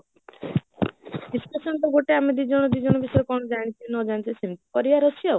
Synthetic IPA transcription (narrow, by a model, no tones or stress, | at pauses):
d̪iskasɔnt̪ɔɡoʈeamed̪id͡ʒɔɽ̃ɔd̪id͡ʒɔɽ̃ɔbisɔɾkɔɽ̃ɔd͡ʒaɽ̃it͡ʃʰinɔd͡ʒant̪isimt̪i̥kɔɾiaɾɔsiɔ